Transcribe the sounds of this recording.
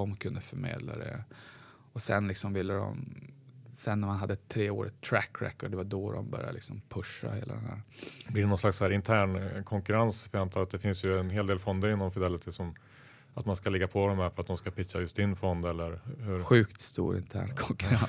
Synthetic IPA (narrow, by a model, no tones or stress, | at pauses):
ɔmkʰɵnd̪əfœɾmeːd̪la̰d̪ɛ̰ | ɔsɛnlɪksɔmvɪlːəd̪ɔ̰m | sɛnːæɾmanɦad̪ːət̪ʰɾeːoːɾʔə̰t̪ʰːɾækːɾɛ̰kːɔɖɛvad̪ɔd̪ɔ̰mbœ̰ɾjad̪əlɪ̰ksɔmpʰɵʂːa̰hḛːla̰d̪ɛnæ̰ːɾblɪɛnɔnslaksɔhæːɾɪnt̪ʰæːɳkʰɔŋkɵɾansvɪant̪ʰɑːɾat̪̚d̪ɛfɪnsjɵɛnɦeːld̪eːlfɔnd̪əɾɪnːɔmfɪd̪ɛlːɪt̪ʰɪsɔm | at̪manskalɛɡːapʰɔd̪ɔmhæɾfœɾat̪̚d̪ɔmskapʰɪkːajɵst̪̚d̪ɪnfɔnd̪ɛlːəɾhɵɾɧʉ̟ːkt̪st̪ṵːɾɪ̰nt̪ʰæ̰ːɳkʰɔŋkɾa